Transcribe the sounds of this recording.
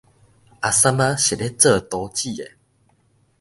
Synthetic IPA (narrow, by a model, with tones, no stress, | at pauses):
a˨sa˦ma˦ɕe˨ɾe˦t͡sə˥˨t̪o˨˦t͡ɕi˥˨ḛ˨